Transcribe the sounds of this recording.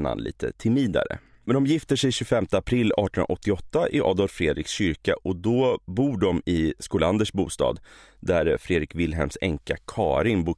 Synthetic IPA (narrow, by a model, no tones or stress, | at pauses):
na̰nlḭːt̪ʰə̰t̪ʰɪmiːd̪a̰ɾə̰ | mɛnd̪ɔmjɪft̪əʂɛjɕɵfɛmt̪əapʰɾɪlːɑ̰ːʈʰənnʔa̰ɔt̪ːɪɔt̪ːaʔɪʔɑ̰ːd̪ɔlffɾeːd̪ɾɪksɕʏɾkaʔɔd̪ɔbuːɖɔmɪskuːland̪əʂbuːst̪ɑ̰ːd̪d̪æɾfɾeːd̪ɾɪkvɪlːɦɛ̰lmsɛŋkakʰɑːɾɪnbuː